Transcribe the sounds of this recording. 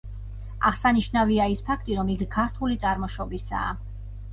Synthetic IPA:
a̰ʁsaniʃnaviaispʰakʰt̪ʼiɾɔmikʰkʰːaɾt̪ʰulit̪sʼaɾmɔʃɔbisa̰ː

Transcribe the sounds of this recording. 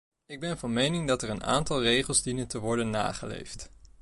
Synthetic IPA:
ɪɡ̚bɛnvɑnmejnɪŋdɑtɛɹəna̰ːntɑlˠrejχəlˠzdinəntəʋɔɹdənːa̰ːχəlḛjft

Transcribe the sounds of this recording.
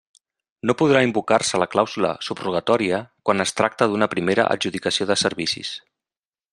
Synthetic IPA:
nopuð̞ɾaimbukarsələklawzulə̰subruɣət̪ɔɾiəkwanəst̪ɾak̚t̪əðunəpɾimeɾə̰ʔə̰ʒuðikəsioðəsəɾβisḭs

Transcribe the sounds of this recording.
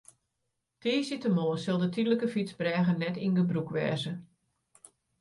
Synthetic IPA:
tʰiːsitəmoːəsɪlˠdətʰidləkəfit͡sbrɛːɣənɛtinɡəbrukʋɛ̰ːzə

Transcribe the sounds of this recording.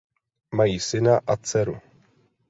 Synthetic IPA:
majiːsɪnaʔat͡sɛɾu

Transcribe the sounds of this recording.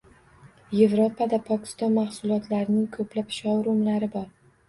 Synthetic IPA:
je̞vɾopʰad̪apʰɒkʲʰɪ̥st̪ɒnmaχsʊlˠɒt̪ʰlaɾɪnɪŋkʰɵplapʃɒwɾʊmlaɾɪbɒɾ

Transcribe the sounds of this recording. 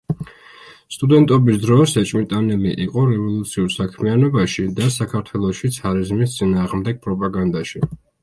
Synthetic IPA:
st̪ʼud̪ɛnt̪ʼɔbisd̪ɾɔsɛt͡ʃʼmit̪ʼanɛliʔiqʼɔɾɛvɔlˠut̪sʰiuɾsakʰmianɔbaʃid̪asakʰaɾt̪ʰwɛlˠɔʃit̪sʰaɾizmist̪sʼinaːʁmd̪ɛɡ̚pʼɾɔpʼaɡand̪aʃi

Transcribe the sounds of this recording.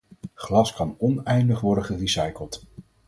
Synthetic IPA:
χlɑskɑnɔnɛjndəχʋɔɹdəχərisɑjkəlˠt

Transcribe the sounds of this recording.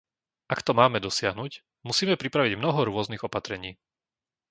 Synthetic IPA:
ʔakt̪ɔmaːmɛd̪ɔsɪaɦnuc | musiːmɛpɾipɾaʋiɟmnɔɦɔɾʊɔzniɣɔpat̪ɾɛɲiː

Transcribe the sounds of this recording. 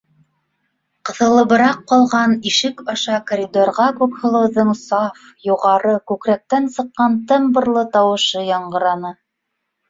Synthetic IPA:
qɤ̆θɤ̆lˠɤ̆bɤ̆ɾɑqːɑlˠʁɑniʃɘkɑʃɑkoɾʲid̪orʁɑkʉkhŏlˠɤ̆wðɤɴsɑf | juʁɑɾɤkʉkɾæk̚t̪ænsɤ̆qːɑnt̪ɤ̆mbɤ̆ɾlˠɤt̪ɑwɤ̆ʃɤjɑɴɢɤ̆ɾɑnɤ

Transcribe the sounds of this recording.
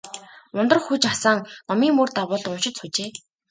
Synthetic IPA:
ʊnt̪ɞ̆rxut͡ɕasaːŋnɔmiːŋmurt̪awʊːɮt̪ʊnʃɪ̆t̪sʰut͡ɕeː

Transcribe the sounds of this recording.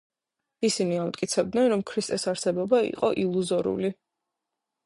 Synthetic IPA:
isiniamt̪ʼkʼit̪sʰɛb̚d̪nɛnɾɔmkʰɾist̪ʼɛsaɾsɛbɔbaḭqʼɔ̰ʔilˠuzɔɾṵli

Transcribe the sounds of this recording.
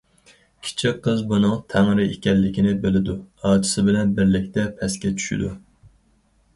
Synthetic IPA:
kʲʰi̥t͡ʃʰiqʰːəzbunɨŋt̪ʰæŋɾɪekʲɛlːɪkʲinɪbelɪd̪uɑːt͡ʃ̪ʰɨ̥sɨbɪlɛnbɪɾlɪkʲt̪ʰɛpʰɛskʲɛt͡ʃʰy̥ʃḭd̪u

